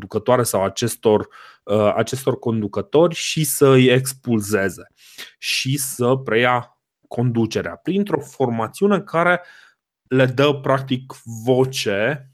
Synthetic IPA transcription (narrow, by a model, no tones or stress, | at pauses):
d̪ukət̪oaɾe̞sawat͡ʃe̞st̪o̞r | a̰t͡ʃe̞st̪o̞rko̞nd̪ukət̪o̞rʲʃisəɨjekspulze̞ze̞ | ʃisəpɾe̞ja | kʰo̞nd̪ut͡ʃe̞ɾea̰pɾint̪ɾo̞fo̞rmat̪siune̞kaɾe̞ | le̞d̪əpɾak̚t̪ikvo̞t͡ʃe̞